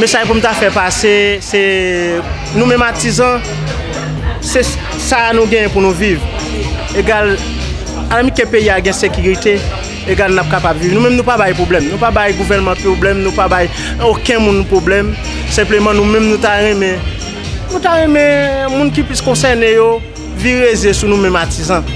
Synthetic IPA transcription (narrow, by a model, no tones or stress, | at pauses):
mesajp̬unũt̪afɛpasesɛ | nũmɛ̃mat̪izã | se | sanũɡɛ̃jɛ̃punũviv | eɡal | alãmĩkɛ̃peiaɡɛ̃sekyʁit̪e | eɡalnap̚kapabvivnũmɛ̃mnũpabajpoblɛmnũpabajɡuvɛnmɑ̃poblɛmnũpabaj | okɛ̃mũnpʁoblɛm | sɛ̃plemɑ̃nũmɛ̃mnũtaʁɛ̃mɛ̃ | nũt̪aʁɛ̃mɛ̃mũnk̬ipliskɔ̃sɛnejo | viʁezesunũmɛ̃matizɑ̃